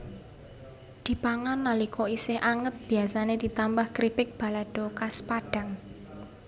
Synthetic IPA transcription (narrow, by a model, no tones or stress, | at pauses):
d̪̥i̤paŋanːalikʰɔisɪhʔaŋət̪̚b̥iasaned̪̥i̤t̪ambahkɾipɪk̚b̥a̤lad̥o̤kaspaɖ̥a̤ŋ